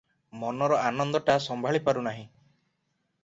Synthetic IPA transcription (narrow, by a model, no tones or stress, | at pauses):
mɔnɔɾɔanɔnd̪ɔʈasɔmbʱaɭipaɾunaɦĩ